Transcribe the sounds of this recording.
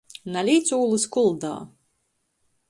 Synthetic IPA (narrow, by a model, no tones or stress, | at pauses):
nalʲiːt̪suːlˠɨskulˠd̪a̰ː